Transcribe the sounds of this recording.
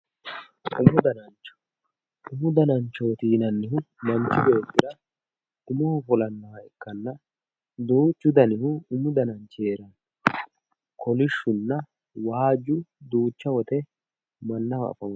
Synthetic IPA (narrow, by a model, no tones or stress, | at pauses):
ʔʊmʊd̪ɐnɐnt͡ʃːɔ̥ | ʊmʊd̪ɐnɐnt͡ʃːɔwɔt̪iːnɐnːɪhʊmɐnt͡ʃːɪbeːt̪ːɪɾɐ | ʊmɔhʊfɔlɐnːɐwɐɛkːɐnːɐ | d̪uːt͡ʃːʊd̪ɐnɪhʊʊmʊd̪ɐnɐnt͡ʃːeːɾɐn | kʰɔlɪʃːʊnːɐ | waːd͡ʒʊd̪uːt͡ʃːɐwɔt̪ɛ | mɐnːɐwɐɐ̰fɐm